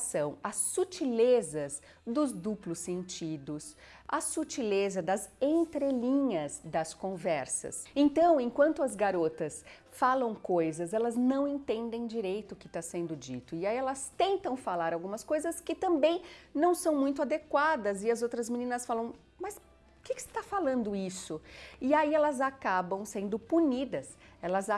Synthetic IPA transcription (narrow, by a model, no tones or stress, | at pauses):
sɐ̃w̃ɐsːut͡ʃilezɐz | d̪ʊzd̪uplʊsːẽnt͡ʃid̪ʊs | ɐsut͡ʃilezɐd̪ɐzẽnt̪ɾelĩɲɐzd̪ɐskõvɛɾsɐ̰sẽnt̪ɐ̃w̃ẽkwɐ̃nt̪ʊɐzɡaɾot̪ɐs | falɐ̃w̃kojzɐzɛlɐznɐ̃w̃ẽnt̪ẽnd̪ẽj̃d͡ʒiɾejt̪ʊkɪt̪asẽnd̪ʊd͡ʒḭt̪ʊɪaiɛlɐst̪ẽnt̪ɐ̃w̃falaɾawɡũmɐskojzɐskɪt̪ɐ̃mbẽj̃nɐ̃w̃sɐ̃w̃mũj̃t̪̬ʊad̪ekwad̪ɐzɪɐzowt̪ɾɐzmĩnĩnɐsfalɐ̃w̃ | mɐs | ʊkɪkɪ̥sɪ̥t̪afalɐ̃nd̪ʊisʊɪaiɛlɐzakabɐ̃w̃sẽnd̪ʊpunid̪ɐsɛlɐza